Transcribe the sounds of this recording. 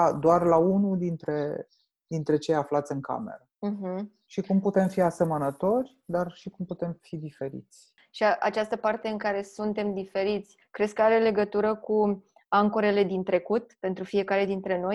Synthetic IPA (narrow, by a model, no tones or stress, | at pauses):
ad̪oarlaunud̪int̪ɾe̞ | d̪int̪ɾe̞t͡ʃe̞jaflat̪sʲɨŋka̰me̞̰ɾəm̩ɦm̩ | ʃikumput̪e̞mfiase̞mənət̪o̞rʲd̪arʃikumput̪e̞mfid̪ife̞ɾḭt̪sʲ | ʃiaʔa̰t͡ʃast̪əpart̪e̞ɨŋkaɾe̞sunt̪e̞md̪ife̞ɾit̪sʲkɾe̞skəaɾe̞le̞ɡət̪uɾəku | aŋko̞ɾe̞le̞d̪int̪ɾe̞kut̪̚pe̞nt̪ɾufije̞kaɾe̞d̪int̪ɾe̞no̞j